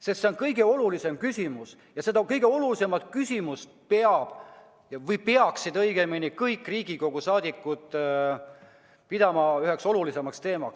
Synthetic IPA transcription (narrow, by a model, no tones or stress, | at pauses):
sest̪se̞o̞nkɤjɡ̥e̞o̞lulise̞mkysʲimus | jɑse̞d̪ɑkɤjɡ̥e̞o̞lulise̞mɑt̪kysʲimust̪pe̞ɑb̥ | jɑvɤjpeɑksid̪ɤjɡ̥e̞minikɤjkːˑriːɡ̥iko̞ɡ̥usɑːd̪̥ikːˑud̪̥ | pid̪ɑmɑyhe̞kso̞lulise̞mɑkst̪e̞ːmɑks